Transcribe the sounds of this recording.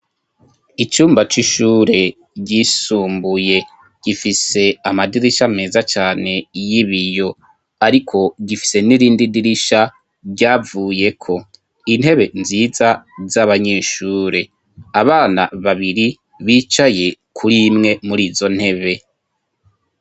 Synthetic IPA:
it͡ʃuːmbat͡ʃiʃuːɾe̞ | ɟisuːmbuje̞ | ɟ̥ifise̞amadiɾiʃame̞ːzat͡ʃaːne̞jiβijo̞ | aɾikʰo̞ɟifi̥se̞niɾiːndidiɾiʃa | bɟaːvuːje̞kʰo̞ | in̥he̞βe̞nziːzazaβaɲe̞ːʃuːɾe̞ | aβaːna̰βaβiɾi | βiːt͡ʃaje̞kʰuɾimŋe̞muɾiːzo̞n̥he̞βe̞

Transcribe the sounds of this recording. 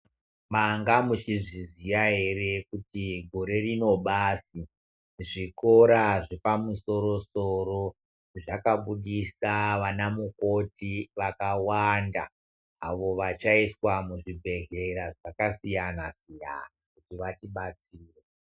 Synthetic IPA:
maŋɡamut͡ʃiʐizijaɦe̞re̞kutiɡʱo̞ɾe̞rino̞ɓaːsi | ʐiko̞ɾaʐepamuso̞ɾo̞soro̞ | ʐakaɓuɗisaʋanamuko̞tiʋakawanda̰ː | ʋo̞ʋat͡ʃaiswamuʐibʱe̞ɦeɾaʐakasijanasija̰nakutiʋatiɓat͡siːre

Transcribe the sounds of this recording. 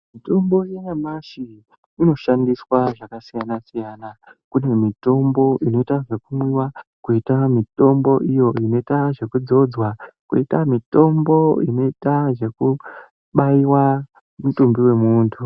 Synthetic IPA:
mito̞mbo̞jejamaʃi | ino̞ʃandiswaʐakasijanasijaːnakune̞mito̞mbo̞ʔino̞itaʐe̞kumwiwakuitamito̞mbo̞ʔijo̞ino̞itaʐe̞kud͡zo̞d͡zwakuitamito̞mbo̞ino̞itaʐe̞ku | ɓaiwa | mutumbiwe̞muːntʰu

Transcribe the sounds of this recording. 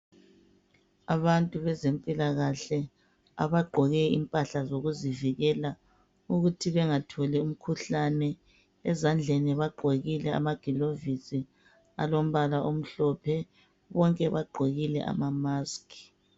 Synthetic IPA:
aβantʼuβɛzempʼilaɣaɬɛ | a̰βaɡ͡ǃʱɔɣɛḭmpʼaɬazoɣuziviɣɛla | uɣutʰiβɛŋatʰɔlɛum̩kʰuɬanɛ | ɛzand͡ɮʱɛniβaɡ͡ǃʱoɣilɛa̰maɡ̥ʱilovisi | a̰lom̩βalaʔom̩ɬɔpʰɛ | βɔŋkʼɛβaɡ͡ǃʱoɣilɛ̰ʔa̰mamaːski̥

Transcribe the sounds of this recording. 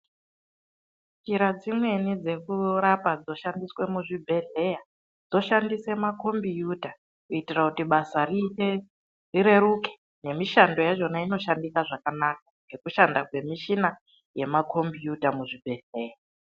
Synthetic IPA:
t͡ʃiɾad͡zimwe̞nid͡ze̞kuɾapad͡zo̞ʃandiswe̞muʐibʱe̞ɮe̞ja | d͡zo̞ʃandise̞mako̞mbijuta | kuitirakutiɓasarie | riɾe̞ɾuke̥ | ne̞miʃando̞jaʐo̞naino̞ʃandikaʐakanak̚aŋɡe̞kuʃandakwe̞miʃina | je̞makʰo̞mbijutamuʐibʱe̞ɮe̞ːja

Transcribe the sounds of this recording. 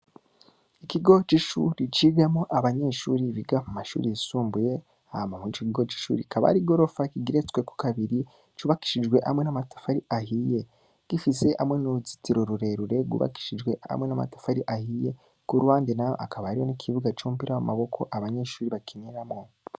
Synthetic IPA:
ikiɡo̞t͡ʃiʃṵɾit͡ʃiɡamoʔaβaɲe̞ːʃuːɾiβiɡamumaʃṵɾijisuːmbuje̞ | amamit͡ʃokiɡo̞t͡ʃi̥ʃṵːɾḭkaβa̰ɾiɡo̞ɾo̞fakiɡiɾet͡skweku̥kaβiɾi | t͡ʃuβaki̥ʃid͡ʒɡwe̞ʔa̰mŋe̞namatḁfaɾiʔahije̞ | ɡ̥ifise̞ʔamŋe̞nuɾuzi̥tiɾo̞ɾuɾe̞ɾuɾe̞ɡṵβa̰ki̥ʃid͡ʒɡwe̞a̰mŋe̞nama̰tḁfaɾiʔahije̞ | kuɾuhaːndinajo̰ʔakaβaɾijonikʰiβuɡat͡ʃuːmpiɾawamaβo̞kʰo̞ʔaβaɲe̞ʃuːɾiβakʰiniɾamŋo

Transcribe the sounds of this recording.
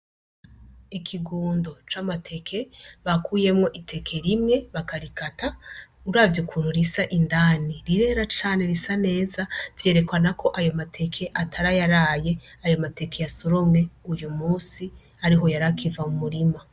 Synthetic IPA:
ikʰiɡuːndo̞t͡ʃamatʰe̞kʰe̞βakuːje̞mŋo̞ʔitʰe̞kʰe̞ɾimŋe̞βakaɾikata | uɾavjukʰuːn̥huɾisaʔindaːniɾiɾe̞ɾat͡ʃaːne̞ɾisane̞ːzavje̞ːɾe̞kwanakʰo̞ʔajo̞matʰe̞kʰe̞ʔatʰaɾajaɾaːje̞ | ajo̞mate̞ke̞jasuɾomŋe̞ujumuːsi | aɾiɦo̞jaɾakʰivamumuɾima

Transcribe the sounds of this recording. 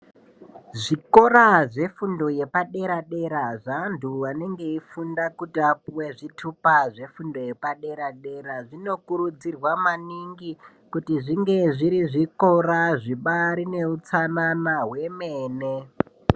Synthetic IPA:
ʐiko̞ɾaʐe̞fundo̞je̞paɗe̞ɾaɗe̞ɾaʐanduwane̞ŋɡe̞ifundakutiapuwe̞ʐitʰupaʐe̞fundo̞je̞paɗe̞ɾaɗe̞ɾaʐino̞kuɾud͡zirwamaniŋɡi | kutiʐiŋɡe̞ʐiɾiʐiko̞ɾaʐiɓaɾine̞ut͡sananaɦwe̞meːne

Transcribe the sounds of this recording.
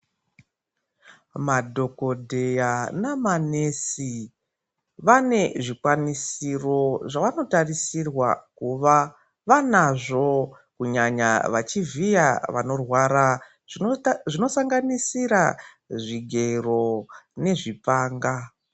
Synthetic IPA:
madʱo̞ko̞dʱe̞janamanesi | ʋane̞ʐikwanisiro̞ʐaʋano̞tarisirwa̰kuʋa | ʋanaʐo̞ | kuɲaɲa̰ʋat͡ʃivijaʋa̰no̞rwaɾa | ʐino̞saŋɡanisiɾa | ʐiɡʱe̞ro̞ne̞ʐipaːŋɡa

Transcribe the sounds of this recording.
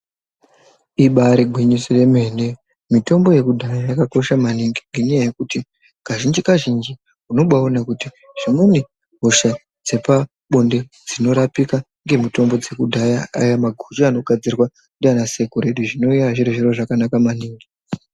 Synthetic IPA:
iɓaɾeɡʱwiɲisije̞me̞ne | mito̞mbo̞je̞kudʱajajakako̞ʃamaniŋɡiŋɡe̞ɲajaje̞kuti | kaʒind͡ʒikaʒind͡ʒi | kuno̞ɓaonakuti | ʐ̥imuni | ɦoʃa | d͡ze̞pa | ɓonde̞ | d͡zino̞ɾapika | ŋɡe̞mito̞mbo̞d͡ze̞kudʱajaajamaɡʱut͡ʃoano̞ɡʱad͡zirwa | ndianase̞koɾe̞ɗuʐino̞ujaʐiɾiʐiɾo̞ʐakanakamaniːŋɡi

